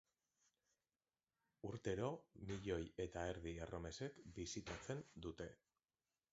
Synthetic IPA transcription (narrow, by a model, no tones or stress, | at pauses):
uɾt̪e̞ɾo̞miʎo̞je̞t̪aeɾðierʔo̞me̞se̞kbisit̪at͡se̞nd̪ut̪e̞